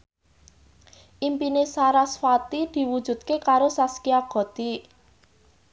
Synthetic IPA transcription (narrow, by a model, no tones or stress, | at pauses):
ʔimpinesaɾasfat̪id̪̥i̤wud̥ʒ̥ṳd̪̥̚kekaɾosaskiaɡ̥ɔ̤t̪i